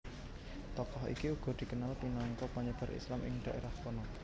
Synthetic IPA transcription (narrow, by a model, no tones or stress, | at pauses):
t̪ɔkɔɦḭkiuɡ̥ɔ̤d̪̥i̤kənalpinaŋkɔpaɲəb̥a̤ɾʔḭslamʔɪ̰ŋɖ̪̥a̤ʔeɾahkɔnɔ